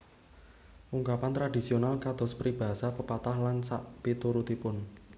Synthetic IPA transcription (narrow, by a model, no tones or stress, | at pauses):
ʔuŋkapant̪ɾadi̤sionalkad̪̥ɔ̤spɾib̥a̤ɦasapəpat̪ahlansaʔpet̪uɾut̪ipʊn